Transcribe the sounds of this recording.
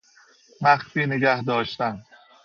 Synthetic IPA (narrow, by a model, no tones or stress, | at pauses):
mæxsiːneɡæhd̪ɒːʃt̪æn